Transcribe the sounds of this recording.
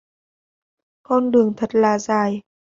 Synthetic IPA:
kɔ˧nɗɨ˨˩əŋt̪ʰə˨˩t̚laː˨˩zaː˨˩j

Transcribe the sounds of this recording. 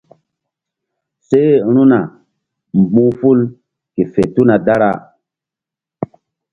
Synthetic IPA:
se˦ɾ̃u˦na˨ | m˨bũ˦fu˦l | ke˨fe˨tu˦na˨da˦ɾa̰˦˨

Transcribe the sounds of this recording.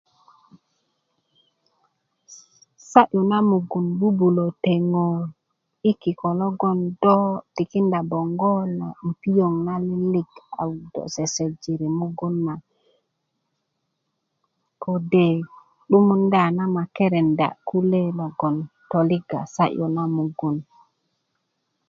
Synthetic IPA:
sa˦ʔu˨na˦mu˨ɡu˨nbu˦bu˨lo˨te˨ŋo˨ | i˦ki˨ko˨lo˦ɡo˨ndo˦ti˨ki˦nda˨bo˨ŋɡo˦la̰˨m˨pi˦jo˨ŋna˦li˦li˦ɡa̰˨wdo̰˨se˨se˨d͡ʒi˨ɾi˨mu˦ɡu˦nːa˨ | ko˨de˨ | ɗu˦mu˦nda˨na˦ma˨ke˦ɾe˨nda̰˨ku˦le˦lo˨ɡo˨nto˨li˦ɡa̰˨sa˦ʔu˨na˦mu˨ɡu˨n

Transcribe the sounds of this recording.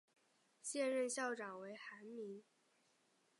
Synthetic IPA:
ɕjɛ˥˧nɻə˥˧nɕjɑ˥˩ʊʈ͡ʂɑ˨˩ŋwe˧˥ɪxa˧˥nmi˧˥ŋ

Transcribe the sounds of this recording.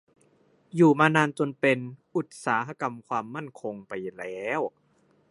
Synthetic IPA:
juː˨˩maː˧naː˧nt͡ɕo˧npe˧nʔu˨˩t̪̚saː˩˦ɦa˧ka˧mkʰwaː˧mːa˥˩nkʰo˧ŋpa˧jlɛː˦˥˨w

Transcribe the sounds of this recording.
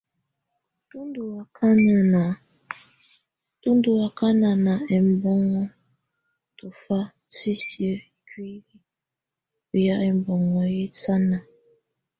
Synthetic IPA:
tu˦ndu˨a˨ka˦na˨na˨ | tu˦n˦du˨a˨ka˦na˨na˨ɛ˨m˦˨bɔ˦ŋɔ˦ | tu˨fa˦ | si˦sje˦˨kwi˦li˦ | u˨ja˦ʔɛ˨m˨bɔ˨ŋɔ˨ji˦t͡sa˦na˨

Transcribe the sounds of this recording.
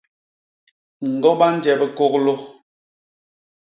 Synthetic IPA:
ŋ̩˨ɡɔ˦ɓa˦n̩˦d͡ʒɛ˨bɛ˨ko˦klo˦

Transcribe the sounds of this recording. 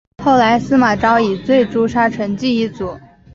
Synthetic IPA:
xo˥˩ʊla˧˥ɪsɹ̩˥ma˨˩ʈ͡ʂɑ˥ʊi˨˩t͡swe˥˩ɪʈ͡ʂu˥ʂa˥ʈ͡ʂʰɤ˧˥ŋt͡ɕi˥˧i˥˩t͡su˨˩˦

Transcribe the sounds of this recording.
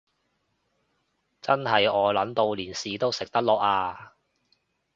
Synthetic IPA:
t͡sɐ˥nɦɐ˨jɔː˨˧lɐ˨˥nt̪o˧wliː˨˩nsiː˨˧t̪o˥wsɪ˨k̚t̪ɐ˥k̚lɔː˨ʔaː˧

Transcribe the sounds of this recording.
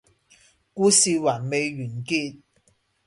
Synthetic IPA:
kuː˧siː˨waː˨˩nme˨˧jɥyː˨˩nkiː˧t̚

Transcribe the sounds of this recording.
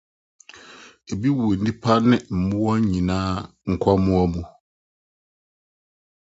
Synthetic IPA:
e˨bi˦wu˨e˨n̩˦dĩ˦pʰa˦nɪ̃˦m̩˨mʊ̃˦wɔ˦ɲ˦ɲĩ˨nãː˦ | ŋ̩˨kʰa˦mũ˦a˦mũ˨

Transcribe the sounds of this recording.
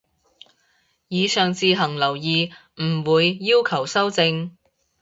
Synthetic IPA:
jiː˨˧sœː˨ŋt͡siː˨ɦɐ˨˩ŋlɐ˨˩wjiː˨ | m̩˨˩wuː˨˧jːiː˥wkʰɐ˨˩wsɐ˥wt͡sɪ˧ŋ

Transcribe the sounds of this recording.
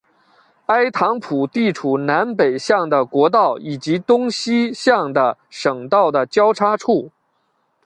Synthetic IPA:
a˥ɪt̪ʰɑ˧˥ŋpʰu˨˩t̪i˥˩ʈ͡ʂʰu˨˩na˧˥npe˨˩ɪɕjɑ˥˩ŋd̪ə˩kwɔ˧˥t̪ɑ˥˩ʊʔi˨˩t͡ɕi˧˥t̪ʊ˥ŋɕi˥ɕjɑ˥˩ŋd̪ə˩ʂɤ˨˩ŋt̪ɑ˥˩ʊd̪ə˩t͡ɕjɑ˥ʊʈ͡ʂʰa˥ʈ͡ʂʰu˥˩

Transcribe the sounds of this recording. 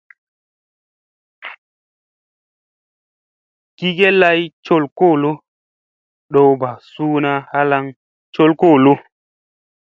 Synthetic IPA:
ki˦ɡe˦la˦jt͡ʃo˦lko˦˨lo˦ | ɗo˦wba˨suː˦na˦ha˦la˦ŋ | t͡ʃo˦lko˦˨lo˦

